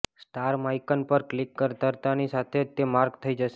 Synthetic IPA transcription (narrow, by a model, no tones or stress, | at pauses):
sʈaɾmaikənpəɾklikːəɾt̪əɾt̪anisat̪ʰed͡ʒt̪emaɾɡt̪ʰəid͡ʒəʃe